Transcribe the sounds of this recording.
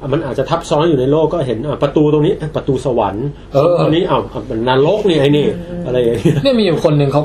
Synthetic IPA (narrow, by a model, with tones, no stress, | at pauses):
ma˧nʔaː˨˩t̪̚t͡ɕa˨˩t̪ʰa˦˥p̚sɔː˦˥njuː˨˩na˧jloː˥˩kːɔː˥˩ɦe˩˦nʔa˧˩pɾa˧t̪uː˧t̪o˧ŋniː˦˥ʔa˧˥˩pɾa˧t̪uː˧sa˧wa̰˩˦n | ɤː˦˧o˧ŋniː˦˥˩ʔa˧˩wʔa˧˩pe˧˩nnaː˧˥lo˦˥k̚niː˧˩ʔaː˧˩jniː˧˩ʔa˧ɾa˧jːa˨˩ŋni˦˥˩ɐni˥˩ɐmiː˧juː˨˩kʰo˧nːɯ˧ŋkʰa˦˥